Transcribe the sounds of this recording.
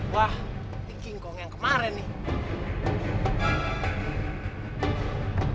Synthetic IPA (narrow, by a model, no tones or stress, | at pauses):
wah | ikiŋɡɔŋɛŋkəmaɾɛni